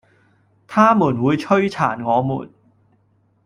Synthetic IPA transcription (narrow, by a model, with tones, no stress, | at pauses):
t̪ʰaː˥muː˨˩nwuː˨˧jt͡ʃʰɵ˥ɥt͡sʰa̰ː˨˩nŋɔː˨˧mṵː˨˩n